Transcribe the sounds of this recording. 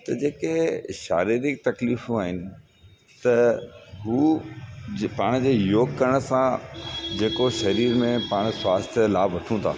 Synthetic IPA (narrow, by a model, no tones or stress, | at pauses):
t̪ɐd͡ʑeːkeʃa̰ːɾiːɾɪk̚t̪ɐkliːfũaːɦɪnɪ̆ | t̪ɐɦuː | paːɽ̃d͡ʑeːjoːɡkɐɾəɽ̃̆sãd͡ʑeːkoʃɐɾiːɾmẽpaːɽ̃swaːst̪ʰəlaːbʋɐʈʰũt̪ʰa̰ː